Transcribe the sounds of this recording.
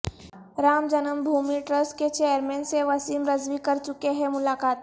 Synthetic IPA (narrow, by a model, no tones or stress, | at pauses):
ɾaːmd͡ʒənəmbʱuːmiʈɾəsʈket͡ʃejəɾmɛ̃ːnseʋɐsiːmɾəzʋikɐɾt͡ʃʊkeɦɛ̃mʊlaːkaːt̪